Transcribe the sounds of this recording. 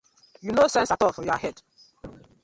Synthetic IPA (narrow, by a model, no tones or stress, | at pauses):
junosɛ̃nsatɔfɔjɔahɛd̥